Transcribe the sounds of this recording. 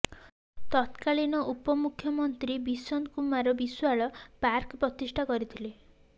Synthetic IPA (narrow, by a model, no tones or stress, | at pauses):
t̪ɔt̪kalinɔʔupɔmukʰjɔmɔnt̪ɾibisɔnkumaɾɔbiswaɭɔpaɾkɔpɾɔt̪isʈʰakɔɾit̪ʰile